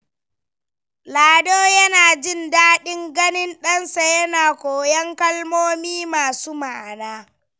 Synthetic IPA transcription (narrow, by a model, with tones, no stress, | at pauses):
laː˨doː˦jɐ˦naː˨d͡ʒɪ˦ndaː˦ɗɪ˦ŋɡɐ˦nɪ˦nɗɐ˦nsa˨jɐ˦naː˨kʷoː˨jɐ˦ŋkɐ˦lmoː˦miː˦maː˨suː˦ma˨ʔa˨naː˦